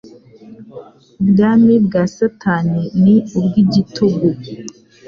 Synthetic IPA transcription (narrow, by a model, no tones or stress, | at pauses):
bɡamibɡasatʰaːniniubɡiɟitʰoɡo